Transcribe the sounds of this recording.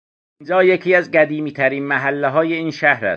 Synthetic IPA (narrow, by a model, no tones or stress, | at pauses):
ind͡ʒɒːjekʰiːæzɢæd̪iːmiːt̪ʰæɾiːnmæɦælːeɦɒːjeiːnʃæhɾæ̰st̪